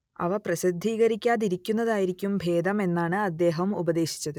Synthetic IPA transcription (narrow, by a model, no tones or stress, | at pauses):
ɐ̰ʋɐprɐɕid̪ʱːiːɣɐɾikʲːaːðiɾikʲːunːɐðaːjiɾikʲːumbʱe̞ːd̪ɐme̞nːaːɳɨɐd̪ːe̞ːɦɐmubɐðe̞ːɕi̥t͡ɕːɐðɨ